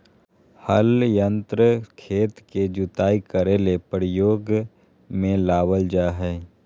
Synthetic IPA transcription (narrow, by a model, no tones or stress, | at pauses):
həljə̃nt̪ɾəkʰeːt̪ked͡ʒʊt̪aːikəɾeːlepəɾɪjoːɡ | mẽlaːwəld͡ʒaːɦɛː